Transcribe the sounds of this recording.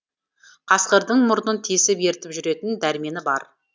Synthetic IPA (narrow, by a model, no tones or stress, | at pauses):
qʰɑsqəɾd̪əɴmʊɾnənt̪ʰisɪpje̞ɾt̪ɪpʒʏɾe̞t̪ɪnd̪æɾɪme̞nɪbɑ̰ɾ